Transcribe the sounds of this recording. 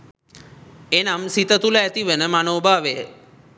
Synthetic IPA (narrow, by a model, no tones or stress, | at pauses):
enamsit̪ət̪ulat̪iʋenəmanoːbʱaːʋe